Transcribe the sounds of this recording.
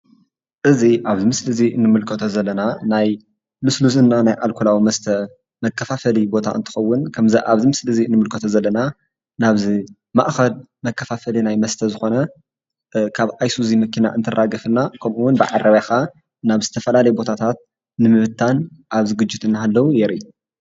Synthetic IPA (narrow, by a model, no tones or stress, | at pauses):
ʔɨziʔaβzimɨslɨziʔɨnːɨmɨlkʰɐt̪ʰozɐlːɐnanaj | lɨslus̬ɨnːanajʔalkʰulawimɐst̪ʰɐ | mɐkʰːɐfafɐlibo̞t̪ʰa̰ʔɨnt̪ʰɨ̥xɐwːʊnkʰɐmzɐʔaβzimɨslɨziɨnːɨmɨlkʰɐt̪ʰozɐlːɐna | naβzi | ma̰ʔxɐl | mɐkːɐfafɐlinajmɐst̪ʰɐzɨxo̞nɐ | kʰaβʔajsuzimɐkʰina̰ʔɨnt̪ʰɨrʔaɡɐfɨnːakʰɐmʔuwʊnbɨʕa̰rɐβjaxa | naβzɨt̪ʰɐfɐlalɐjɛbo̞t̪ʰat̪ʰat̪̚ | nɨmɨβɨt̪ʰːanʔaβzɨɡɨd͡ʒːɪt̪ɨnːahalːɐwujɛɾi